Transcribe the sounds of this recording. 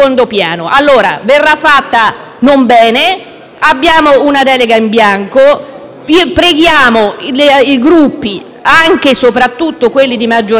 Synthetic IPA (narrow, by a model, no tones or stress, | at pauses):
ond̪opjaːnoʔalːoːɾa̰verːafːat̪ːa | nombɛːne | abːjaːmounad̪ɛːleɡaimbjaŋko | pɾeɡjaːmoliɡɾupːi | aŋk̟esopɾat̪ːut̪ːokwelːid̪imad͡ʒːo